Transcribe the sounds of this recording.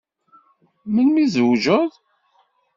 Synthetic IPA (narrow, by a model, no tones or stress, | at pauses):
mənmizəwʒəð